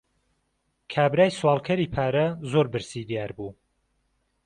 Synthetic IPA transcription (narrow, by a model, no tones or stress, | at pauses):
kʰaːbɾaːjswɑːlˠkʰɐɾiːpʰaːɾɐzoːɾbɨɾsid̪ijaːɾbuː